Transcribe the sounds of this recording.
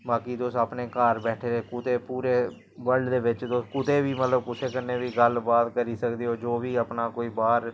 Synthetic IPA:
baːkiːd̪osaːpneːkaːɾbɛːʈʰeːeːkʊt̪eːpuːɾeː | ʋəɾɖd̪eːʋɪt͡ʃd̪oskʊt̪eːʋiːmət̪ləbkʊseːkənːeːʋiːɡəlbaːt̪kəɾiːsəkd̪eːoːd͡ʒoːʋiːəpnaːkoːiːbaːɾ

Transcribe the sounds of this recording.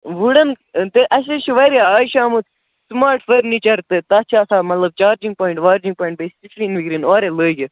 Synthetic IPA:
ʋuɽɐn | t̪eʔɐs̬eʃiʋɐɾaaːʃaːmut̪ʰ | smaːɾʈfəɾnit͡ʃɐɾt̪et̪ɐːt͡ʃʰaːsaːmɐt̪lɐb̚t͡ʃaːɾd͡ʒĩŋɡ̚poːiɳʈʋaːɾd͡ʒĩŋɡ̚pɔːiɳʈ̚best͡ʃisliːnʋikɾinoːɾeləːɡi

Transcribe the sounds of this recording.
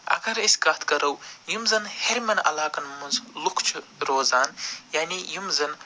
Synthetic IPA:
ɐ̰ɡɐɾisʲɡaːt̪ʰkɐɾɐwjumzɐnheɾʲmɐnɐ̰laːkɐnmunzlukʰt͡ʃʰɾoːzaːnjaːnijumzɐn

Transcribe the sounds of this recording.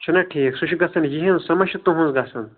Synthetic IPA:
t͡ʃʰunɐʈʰiːksuʃʰiɡɐsɐnjiɦĩnsɐmɐʃut̪ũɦũnzɡɐsɐn

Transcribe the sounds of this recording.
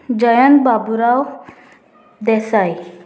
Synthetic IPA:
d͡ʑəjənt̪̚babuɾaw | d̪ɛsaj

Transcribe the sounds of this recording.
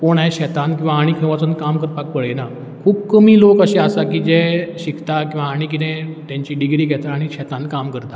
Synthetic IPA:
koɳ̃ajɕɛt̪ãnkĩw̃ʋaːɽ̃iːkʰəʋat͡sənkamkəɾpak̚pəɭena | kʰuːbkəmiːlokəɕeasakiːd͡ʑɛɕikʰt̪akĩw̃ʋaːɽ̃ikit̪ɛ̃t̪jãɲt͡ɕiːɖiɡɾiːɡʱɛt̪aːɽ̃iɕɛt̪ãnkamkəɾt̪a

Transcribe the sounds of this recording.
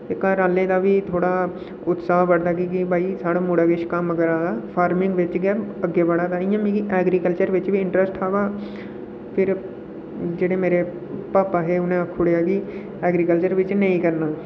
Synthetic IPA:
ɪkaːɾaːlẽːd̪aːʋiːt̪ʰoːɽaː | ʊt̪saːɦʋəɽd̪aːkiːkibaːiːsaːɽaːmʊɽaːɡɪʃkaməɡəɾaːaːpʰaːɾmɪ̃ŋɡʋɪt͡ʃɡɛːəɡːeːbəɽaːd̪aːɪjãːmĩːkiʔɛːɡɾiːkəlt͡ʃəɾʋɪt͡ʃʋiːɪɳʈɾəsʈaːʋaː | pʰɪɾ | d͡ʒeːɽeːmeːɾeː | paːpaːɦeːʊnẽːəkʰːʊɽeːaːkiː | ɛːɡɾiːkəlt͡ʃəɾʋɪt͡ʃnəĩːkəɾnaː

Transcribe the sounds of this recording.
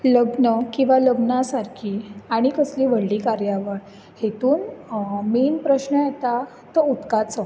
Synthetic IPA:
ləbnəkĩw̃ʋaləbnasaɾkʰiaɽ̃ikəsliːʋəɽːikaɾjaʋəɾ | het̪uːnmiːnpɾəɕnəjet̪a | t̪əut̪kat͡sə

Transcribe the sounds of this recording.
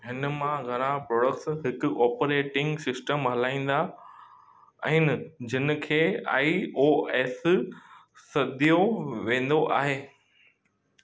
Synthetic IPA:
ɦɪnmãɡʱɐɾ̃ãpɾɔːɽəkʈsɦɪkʊɔːpɾeːʈɪ̃ŋɡsɪsʈəmɦɐlaːĩːn̆d̪a | ɛ̃ːnɪd͡ʑʱɪn̆kʰeːa̰ːioːeːs | sɐd̪ijoʋẽːn̆d̪oʔa̰ːɦeː

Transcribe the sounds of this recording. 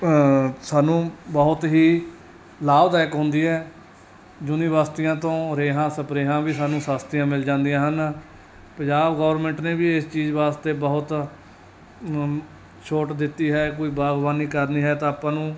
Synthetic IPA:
saːnũːbəʊt̪ɦiː | laːbd̪aːɪkɦʊ̃nd̪iːɦɛː | d͡ʒʊnĩːʋaːst̪ɪjãːt̪õːɾeːɦãːsəpɾeːɦãːbiːsaːnũːsaːst̪ɪjãːmɪld͡ʒãːnd̪ijãːɦən | pə̃ɲd͡ʒaːbɡɔːəɾmɛ̃ːɳʈneːʋiːɪst͡ʃiːzʋaːst̪eːbəɦʊt̪ | ʃʰoːʈd̪ɪt̪ːiːɦɛːkoːiːbaːɡʋaːniːkəɾniːɦɛːt̪ãːaːpːãːnũː

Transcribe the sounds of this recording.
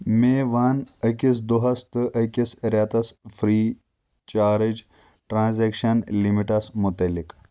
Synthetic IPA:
meːʋaːnəkis̬d̪uɦɐst̪ɨʔəkisɾʲaːt̪ɐsfʰɾiː | t͡ʃaːɾɨd͡ʒ | ʈɾãːnzeːkʃɐnlimiʈɐsmut̪ɐlik

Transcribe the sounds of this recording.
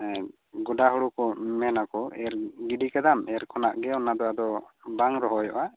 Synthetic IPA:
ɡɔɖaɦɔɽukɔmɛnakɔɛɾɡiɖikad̪amɛɾkʰɔnaʔɡɛɔwnad̪ɔwad̪ɔbaŋɾɔɦɔjɔ̰ʔa

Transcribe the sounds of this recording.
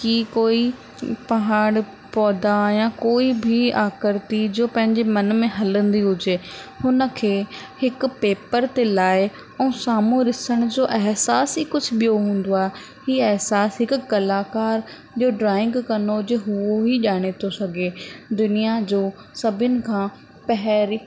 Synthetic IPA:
kikoːi | pɐɦaːɽ | pɔːd̪ajãkoːibʱɪaːkəɾt̪id͡ʑoːpɐ̃ɦɪ̃ɲd͡ʑemɐnmẽɦɐlə̃nd̪iɦʊd͡ʑeːhʊnə̆kʰeːhɪkʊ̆peːpəɾt̪elaːɪ | ɛ̃ũːsaːmũɾɪsəɽ̃ʊd͡ʑoːʔɛɦsaːsɦiːkʊd͡ʑʱʊɓijoɦũːn̆d̪oaːɦe | ɦiːɛɦsaːsɦɪkʊkɐlaːkaːɾ | d͡ʑoːɖɾaːɪ̃ŋɡkɐnod͡ʑeɦʊoɦiʄaːɽ̃et̪ʰosɐɡʱeːd̪ʊnijad͡ʑoː | sɐbʱɪənɪ̆kʰãː | pɐɦɾi

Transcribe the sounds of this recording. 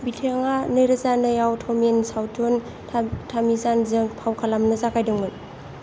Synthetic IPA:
bitʰeŋanɯjɾɯzanɯjawtʰɔmensawtʰon | tʰamizanzɯŋpʰawkʰalamnɯzakʰajdɯŋmɯn

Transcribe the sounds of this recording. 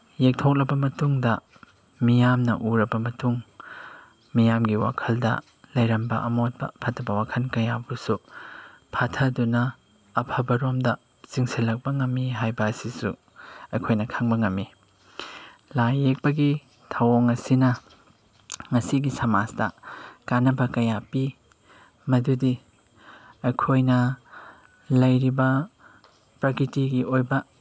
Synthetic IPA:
jek̚tʰok̚lɐbɐmɐtuŋdɐ | mijamnɐ̰ʔuɾɐbɐmɐtuŋ | mijamɡiwa̰kʰɐldɐ̰ | lɐjɾɐmbɐ̰ʔɐmot̚bɐ̰pʰatʰɐbɐwakʰɐnkɐjabusu | pʰatʰɐdunɐː | pʰɐbɐɾomdɐ | siŋsilːɐk̚bɐŋɐmːiɦajbɐːsisṵ | ɐjkʰojnɐkʰaŋbɐŋɐmːi | lajek̚pɐɡi | tʰɐwoŋɐsinɐ | ŋɐsiɡisɐmaztɐ̰kanːɐbɐkɐjapi | mɐdudi | ɐjkʰojnɐ | lɐjɾibɐ | pɾɐkɾitiɡiʔojbɐ

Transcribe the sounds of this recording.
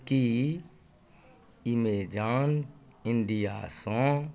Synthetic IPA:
ki | imeːd͡ʒaːn | ɪnɖija̰ːsõ

